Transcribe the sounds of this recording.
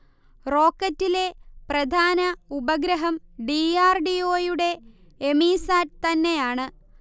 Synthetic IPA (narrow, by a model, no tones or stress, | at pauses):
ro̞ːkːɐtːile̞prɐd̪ʱaːnɐubɐɡɾɐɦɐmɖiaːrɖio̞ːjuɽe̞ | emiːsaːɾ̚t̪ɐnːe̞jaːɳɨ